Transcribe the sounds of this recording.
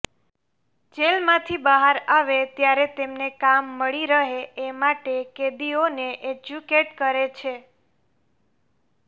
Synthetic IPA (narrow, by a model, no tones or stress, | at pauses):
d͡ʒelmãt̪ʰibəɦaɾaʋet̪jaɾet̪emnekamːəɭiɾəɦeemaʈeked̪ioneʔed͡ʒukeʈkəɾet͡ʃʰe